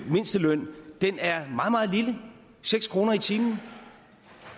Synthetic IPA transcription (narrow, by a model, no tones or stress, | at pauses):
me̝nsd̥əlœn̰d̥enæɐmɑ̈ːð̩ˠmɑ̈ːð̞̩ˠlilə | seɡ̥skʰʁo̝ːnɐit͡sʰiːmn̩